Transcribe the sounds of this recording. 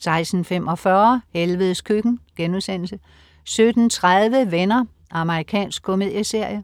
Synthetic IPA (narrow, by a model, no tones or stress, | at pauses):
sɑ̈ɪsn̩femʔɒ̽fɶɐhelʋəð̞ˠskʰyɡ̥n̩ɡ̥enuðˠsen̰l̩sə | sød̥n̩t͡sʰʁaðˠʋəʋenɐ | ʔɑ̈məʁikʰɛ̰ːnsɡ̥̚kʰo̝me̝ð̰ˠjəse̝ɐ̰jə